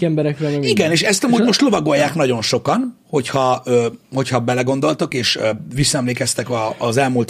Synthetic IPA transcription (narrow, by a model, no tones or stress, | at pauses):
ɛmbɛɾɛkkrɛɛiɡɛneːʃɛst̪ɒmuːd̪mo̞ʃt̪lo̞vɒɡo̞jːaːknɒɟo̞nʃo̞kɒnho̞chɒøho̞chɒbɛlɛɡo̞nd̪o̞lt̪okeːʃøvisːɒɛmleːkɛst̪ɛkɒːzɛlmuːlt̪